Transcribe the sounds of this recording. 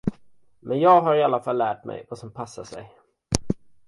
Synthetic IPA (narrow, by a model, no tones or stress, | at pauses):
mɛnjɑːɡɦaɾɪalːafalːæːʈmɛ̰jvasɔmpʰasːaʂɛ̰j